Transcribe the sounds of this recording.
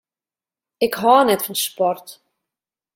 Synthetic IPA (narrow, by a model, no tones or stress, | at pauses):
ɪkɦɔnɛtfɔnspɔrt